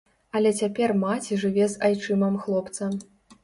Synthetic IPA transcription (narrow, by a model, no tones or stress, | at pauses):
ɐlʲɛt͡sʲapʲɛrmat͡sʲiʐɨvʲɛzajt͡ʂɨmɐmxlˠɔpt̪sɐm